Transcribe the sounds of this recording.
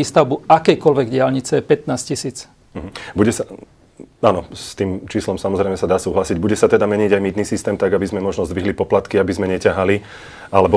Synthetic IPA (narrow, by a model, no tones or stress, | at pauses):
iːst̪aʊbuʔakɛjkɔlʋɛɡɟɪalɲit͡sɛjɛpɛt̪naːscisiːt͡s | m̩ɦ̩buɟɛsa | aːnɔst̪iːmt͡ʃiːslɔmsamɔzɾɛjmɛsad̪aːsuːɦlasiɟbuɟɛsat̪ɛd̪amɛɲiɟajmiːd̪nisist̪ɛːmt̪aɡabizmɛmɔʒnɔzd̪ʋiɦlipɔplat̪kiabizmɛɲɛcaɦali | alɛbɔ